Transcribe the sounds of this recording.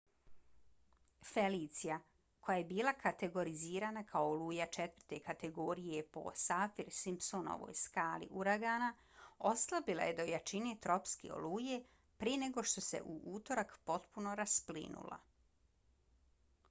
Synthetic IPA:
feliːt̪sija | ko̞jaje̞biːlakat̪e̞ɡo̞ɾiziːɾaːnakʰaooluːjat͡ʃet̪vərɾt̪e̞kat̪e̞ɡo̞ɾije̞po̞̰safiɾsimpsono̰ʋo̰ːjskaːlḭʔuɾaɡaːna | o̞slˠabila̰je̞d̪o̞jat͡ʃine̞t̪ɾo̞pskḛo̰luːje̞ | pɾijene̞ɡo̞ʃt̪o̞se̞̰ʔuʔuːt̪o̞ɾakpo̞t̪puno̞ɾasplḭnṵlˠa̰

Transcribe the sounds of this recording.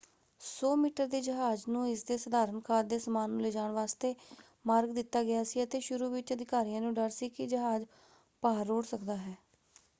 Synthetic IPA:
sɔːmiːʈəɾd̪iːd͡ʒəɦaːd͡ʒnũːɪsd̪eːsəd̪aːɾənkʰaːɾd̪eːsəmaːnːũːleːd͡ʒaːɳʋaːst̪eː | maːɾɡd̪ɪt̪ːaːɡɪjaːsiːət̪eːʃʊɾuːʋɪt͡ʃəd̪ɪkaːɾijãːnũːɖəɾsiːkɪd͡ʒəɦaːd͡ʒ | paːɾoːɽsəkd̪aːɦɛː

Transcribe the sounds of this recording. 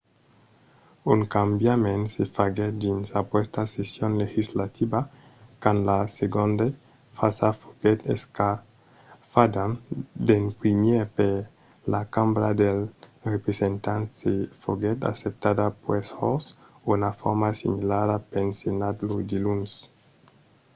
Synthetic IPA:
uŋkambjamẽnsefaɡed̪insapwest̪asesjonlexizlat̪ʰiba | kanlaseɡõnd̪e | fasafoɡɛt̪ḛska | fad̪ad̪enpɾimjepe | lakambɾad̪elrepɾesent̪ansefoɡet̪a̰sep̚t̪ad̪apwesɔsunafɔɾmasimilaɾapensjonad̪lud̪iluns

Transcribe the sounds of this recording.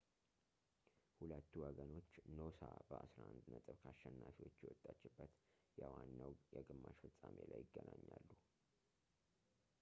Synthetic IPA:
hulət̪ːuwɔɡəno̞t͡ʃːno̞sabəʔasɾaʔand̪nət̪ʼɨβkʰaʃːɛnːafiwot͡ʃːjɛwɔt̪ʼːat͡ʃːɪbːət̪ | jawanːawjɛɡɨmːaʃfɨsʼamelajːɪɡːənaɲːalːu

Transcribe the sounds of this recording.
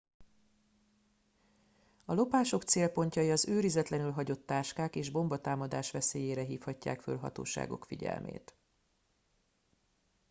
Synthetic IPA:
ɒlo̞paːʃo̞kt̪seːlpo̞ɲcɒjiɒzøːɾizɛt̪lɛnylɦɒɟo̞t̪ːaːʃkaːkeːʒbo̞mbɒt̪aːmɒd̪aːʃʋɛseːjeːɾɛɦiːfhɒcːa̰ːkfø̰lɦɒ̰t̪o̰ːʃa̰ːɡo̞̰kfiɟɛ̰lmʔḛːt̪

